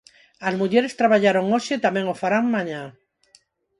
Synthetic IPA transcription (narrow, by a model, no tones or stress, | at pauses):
azmuʎeɾest̪ɾaβaʎaɾoŋoʃet̪amjeŋofaɾaŋmãɲã